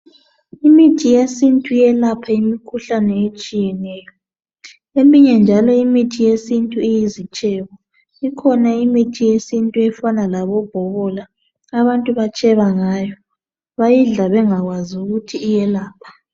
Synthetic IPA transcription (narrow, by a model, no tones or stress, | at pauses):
imitʰijesintʼuijɛlapʰaimikʰuɬanɛet͡ʃʼijɛnɛːjɔ | emiɲɛnd͡ʒʱalɔimitʰijesintʼuijizit͡ʃʼɛβɔ | ikʰɔnaimitʰijesintʼuɛfanalaβɔb̥ʱɔβɔla | aβantʼuβat͡ʃʼɛβaŋaːjɔ | βajiɮaβɛŋaɣwaziuɣutʰiːjɛlaːpʰḁ